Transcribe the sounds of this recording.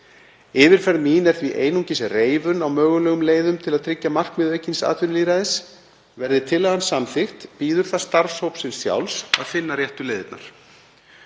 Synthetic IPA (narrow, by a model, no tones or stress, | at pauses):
ɪːvɪɾ̥fɛɾmiːnɛɾ̥θviʔeːjnuɲcɪsreːjvʏnawmœːɣʏlɛːɣʏmleːjðʏmt̪ʰɪlaðt̪ʰɾɪcːamar̥kmɪðœjcːinsa̰ːt̪ʰʏnliːɾaðɪs | vɛɾðɪt̪ʰɪlːaðansamθɪxt̪piːðʏɾ̥θast̪aɾ̥showpsɪnsja̰wlsa̰ðfɪnːarjɛht̪ʏleːjðɪt̪na̰ɾ̥